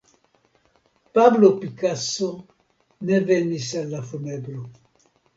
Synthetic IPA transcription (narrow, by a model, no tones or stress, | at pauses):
pablopikaso | nevenisalːafunebɾo